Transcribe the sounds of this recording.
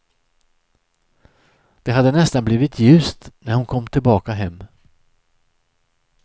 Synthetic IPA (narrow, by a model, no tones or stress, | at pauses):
d̪̥ɛɦad̪ːənɛst̪anbliːvɪt̪ʰjʉ̟ːst̪næɾhʊnkʰɔmːt̪ʰɪlbɑːkaɦɛmː